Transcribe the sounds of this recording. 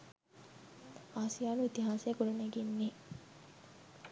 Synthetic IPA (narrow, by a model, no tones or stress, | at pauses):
aːsijaːnuit̪iɦaːseːkulɐneɡenːiː